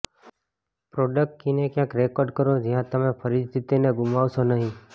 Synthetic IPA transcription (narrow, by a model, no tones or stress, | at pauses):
pɾoɖək̚ʈ̚kinekjãːkɾekɔːɾɖkəɾod͡ʒɪɦãt̪əmẽpʰəɾɪd͡ʒt̪ʰit̪ineɡʊmaʋsonəɦĩ